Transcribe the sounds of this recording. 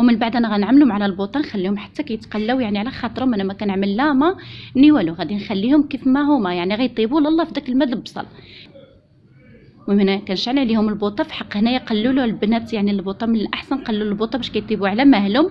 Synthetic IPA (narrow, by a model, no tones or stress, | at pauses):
wmənbaʕd̪ʔænæɣænʕməlhʊmʕlælbut̪ˤɑnxælːihʊmħḁt̪ːækæjət̪qɑlːæwjaʕniʕlæxɑt̪ˤɾhʊmʔænːæmækænəʕməlːæhmæniwæluɣæd̪inxælːihʊmkifmæhʊmæjaʕniɣæjt̪ˤibulɑlˤːɑfid̪ækəlmæd̪lbsˤɑ̰l | wmænækænʃaʕniʕlihʊməlbut̪ˤɑfi̥ħɑqːhnæjæqɑlːululbnæt̪jaʕnilbut̪ˤɑnmənəlʔaħsænqɑlːulbut̪ˤɑbæʃkæjt̪ˤibuʕlæmæhlhʊm